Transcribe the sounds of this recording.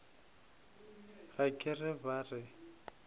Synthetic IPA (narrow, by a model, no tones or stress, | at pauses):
ɣakʼɪrɪbarɪ